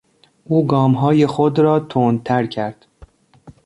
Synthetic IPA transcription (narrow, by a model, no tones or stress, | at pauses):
ʔuːɡɒːmɦɒːje̞xod̪ɾɒːt̪ʰoːnt̪ʰæɾcʰæɾd̪̥